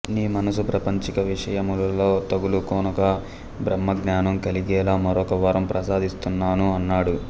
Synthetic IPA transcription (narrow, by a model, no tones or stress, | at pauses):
niːmɐnɐsupɾɐpɐɲt͡ʃikɐʋiʂɐjɐmulɐlo̞ːt̪ɐɡulukoːnɐkɐ | bɾɐmːɐɡnaːnɐmkɐliɡɛːlaːmɐɾɔːkɐʋɐɾɐmpɾʔɐsaːd̪ist̪unːaːnuɐnːaːɽu